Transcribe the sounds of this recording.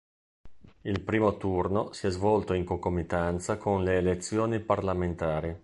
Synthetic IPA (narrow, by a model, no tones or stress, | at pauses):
ilpɾiːmot̪urnosiɛzvɔlt̪oiŋkokomːit̪ant̪sakonleːlet̪sːjoːniparlament̪aːɾi